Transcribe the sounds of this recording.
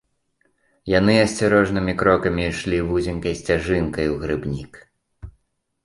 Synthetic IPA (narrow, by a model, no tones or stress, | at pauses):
jan̪ɨɐsʲt͡sʲaɾɔʐnɨmʲikɾɔkɐmʲiʂlʲivuzʲinkɐjsʲt͡sʲaʐɨnkɐjuwɣɾɨbnʲik